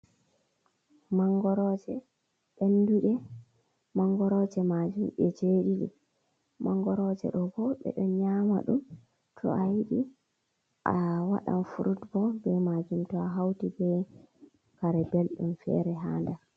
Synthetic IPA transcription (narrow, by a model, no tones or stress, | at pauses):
maŋɡɔɾɔd͡ʒɛ | ɓenduɗɛ | maŋɡɔɾɔd͡ʒɛmad͡ʒumɓɛd͡ʒeɗiɗḭ | maŋɡɔɾɔd͡ʒɛ̰ɗɔɡɔɓɛ̰ɗɔɲama̰ɗum | tʰɔ̰ʔajiɗi | ʔawa̰ɗa̰nfuɾutbɔbɛmad͡ʒumtɔaɦawtibɛ | kaɾɛbelɗumfɛ̰ːɾɛɦaːnda